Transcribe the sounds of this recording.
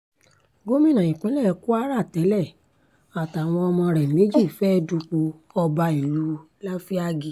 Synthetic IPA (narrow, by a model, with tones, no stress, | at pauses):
ɡo˦mĩ˦˨nã˨ĩ˨k͡pĩ˨˦lɛ˦˨˧ku˦a˦ɾa˦˨tɛ˨˦lɛ˦˨ | a˨ta˨w̃ɔ̃˧ɔ˧mɔ̃˧ɾɛ˨me˨˦d͡ʒi˦˨fɛ˦du˧k͡po˧ɔ˧ba˧i˨lu˨˦ | la˦fi˦a˦ɡi˧˨